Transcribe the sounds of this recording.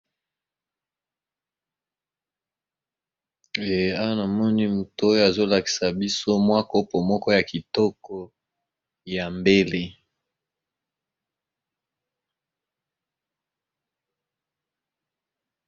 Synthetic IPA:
e˨a˦wa˦na˨mɔ˦ni˦mu˨to˦jo˦a˨zo˦la˨ki̥˨sa˨bi˦so˦mwa˦ko˦po˨mɔ˦kɔ˦ja˨ki˨tɔ˦kɔ˦ | ja˨mbe˦le˦

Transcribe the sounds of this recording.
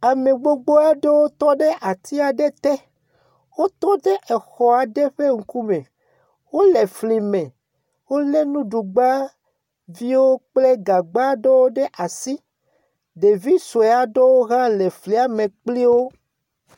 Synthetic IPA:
a˨me˨ɡ͡bo˦ɡ͡bo˦a˦ɖe˦wo˦t̪ɔ˦ɖe˦ʔa˨t̪i˦a˨ɖe˦t̪ɛ˦ | wo˦t̪ɔ˦ɖe˦ʔɛ˨xɔ˨a˨ɖe˦ɸe˦ŋ̩˨ku˦mẽ˨ | wo˦le˨fli˨mẽ˨ | wo˦le˦nũ˦ɖu˨ɡ͡ba˦ | vi˦wo˦k͡ple˦ɡa˨ɡ͡ba˦ɖe˦wo˦ɖe˦ʔa˨si˦ | ɖe˨vi˦so˨e˨a˨ɖe˦wo˦ɣã˦le˨fli˨a˨mẽ˨k͡pli˦wo˦

